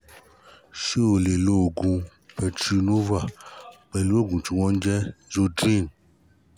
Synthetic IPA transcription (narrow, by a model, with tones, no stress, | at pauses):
ʃe˦o˨le˨lo˦˨ɡũ˧pɛ˨tɾi˧no˦va˨k͡pɛ˨lu˦o˦˨ɡũ˨t͡ʃi˨wɔ̃˦n˦d͡ʒɛ˦zo˧dɾi˦˨n